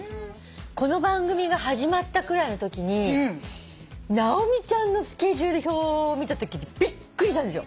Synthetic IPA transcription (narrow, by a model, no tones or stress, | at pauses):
ko̞no̞bãŋɡɯ̟mʲiɡaɦaʑimat̪ːakɯ̟ɾaino̞t̪o̞kʲiɲ̟i | naomʲit͡ɕãnːo̞sɨ̥ke̞ʑɨːd̪e̞çoːmʲit̪at̪o̞kʲiɲib̥ʲikːɯ̟ɾʲiɕt̪ãnd̪esɨjo